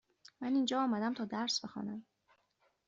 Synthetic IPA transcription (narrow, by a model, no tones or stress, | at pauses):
mæniːnd͡ʒɒːɒːmæd̪æmt̪ʰɒːd̪æɾsb̥exɒ̰ːnæm